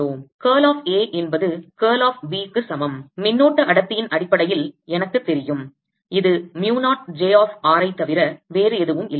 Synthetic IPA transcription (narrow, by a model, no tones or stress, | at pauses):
oːkeːlaːfeːʔɛnbɐðɯkeːlaːfʋiːkːɯsɐmɐmmɪnːoːʈːɐʔɐɽɐt̪ːɪjɪnɐɽɪpːɐɽɐjɪlɛnɐkːɯt̪ːɛɾɪjɯm | ɪðɯmjuːnaːʈ̚d͡ʒeːaːfaːɾɐɪt̪ːɐʋɪɾɐʋeːɾɯɛðɯʋɯmɪlː